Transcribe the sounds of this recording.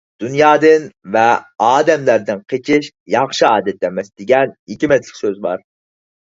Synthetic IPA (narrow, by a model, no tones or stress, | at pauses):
d̪̥unjɑːd̪ɨnvɛɑːd̪ɛmlæɾd̪ɪnqʰet͡ʃʰɪʃ | jɑχʃɨɑːd̪ɛt̪ːɛmɛsd̪eɡʲɛnhekʲimɛt̪lɪkʲsøzbɑɾ